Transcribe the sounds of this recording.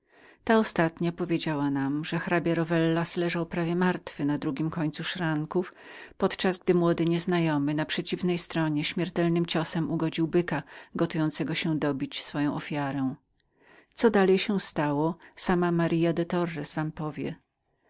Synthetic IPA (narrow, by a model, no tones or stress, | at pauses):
t̪aɔst̪at̪ɲapɔvʲjed͡ʑawanamʐɛxɾabʲjaɾɔvɛlːaslɛʐawpɾavʲjɛmaɾt̪fɘnad̪ɾuɡʲimkɔɲt̪suʂɾaŋkuf | pɔt̪t͡ʂazɡd̪ɘmwɔd̪ɘɲɛznajɔmɘnapʂɛt͡ɕivnɛjst̪ɾɔɲɛɕmʲjɛɾt̪ɛlnɘmt͡ɕɔsɛmuɡɔd͡ʑiwbɘkaɡɔt̪ujɔnt̪sɛɡɔɕɛd̪ɔbʲit͡ɕsfɔjɔ̃w̃ʔɔfʲjaɾɛw̃ | t̪sɔd̪alɛjɕɛst̪awɔsamamaɾʔijad̪ɛt̪ɔrːɛsvampɔvʲjɛ̰